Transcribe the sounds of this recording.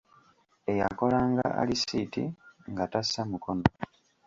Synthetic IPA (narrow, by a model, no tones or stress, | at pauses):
e̞jako̞laːŋɡa̰a̰lisitḭŋɡatasamuko̞no